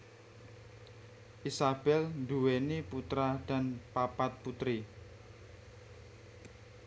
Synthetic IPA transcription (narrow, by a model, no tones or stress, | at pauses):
ʔisab̥ɛlnduweniput̪ɾad̥a̤npapat̪̚put̪ɾi